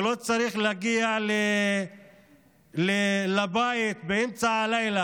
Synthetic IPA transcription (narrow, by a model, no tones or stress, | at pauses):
lo̞t͡saɾiχleaɡiale | lelabait̪beemt͡saːlajla